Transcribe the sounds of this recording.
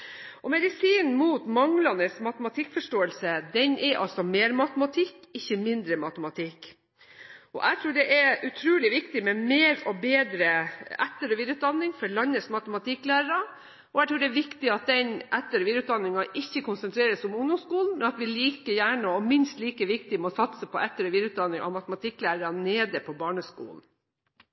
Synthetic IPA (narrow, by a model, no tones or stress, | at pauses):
ɔmɛd̪ɪsiːnn̩muːt̪mɑŋlɑnəsmɑt̪əmɑt̪ʰɪkːfɔʂʈoːəlsəd̪ɛnʔɛɾʔɑ̰lsɔmeːɾmɑt̪əmɑt̪ʰɪkːɪçːəmɪnd̪ɾəmɑt̪əmɑt̪ʰɪkː | ʔɔ̰ʔæɪt̪ʰɾuːɖɛʔɛɾʉt̪ʰɾuːlɪʋɪkt̪ɪmɛmeːɾɔbeːd̪ɾəæt̪ːəɾɔʋiːd̪ɾʉːt̪̚d̪ɑnːɪŋfɔɭɑnːəsmɑt̪əmɑt̪ʰɪklæːɾəɾɑ | ʔɔæɪt̪ɾuːɖɛɛʋɪkt̪ɪɑt̪̚d̪ɛnʔɛt̪ːəɾɔʋiːd̪əʉːt̪d̪ɑnːɪŋɑʔɪçːəkʰʊnsənt̪ʰɾeːɾəsʊmʊŋʊmskuːln̩mɛnɑt̪ʋɪliːkəjæːɳəɔmɪnst̪liːkəʋɪkt̪ɪmɔsɑt̪səpʰɔʔɛt̪ːəɾɔʋiːd̪ɾʉt̪̚d̪ɑnːɪŋʔɑ̰ʋmɑt̪əmɑt̪ʰɪkːlæːɾəɾɑneːd̪əpʰɔbɑːɳəskṵːln̩